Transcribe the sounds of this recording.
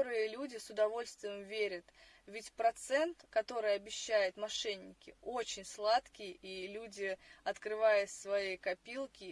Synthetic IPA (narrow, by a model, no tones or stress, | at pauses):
oɾɨjəlʲudʲɪsʊd̪ɐvo̞lʲst̪vʲɪjɪmvʲeɾʲət̪ | vʲɪtʲpɾɐt̪sɛnt̪kɐt̪o̞ɾɨjɐbʲɪɕːæjɪt̪mɐʂɛnʲːɪkʲɪot͡ɕɪnʲslˠat̪kʲɪjilʲudʲɪɐt̪kɾɨvajʊt̪svɐjejkɐpʲilˠkʲɪ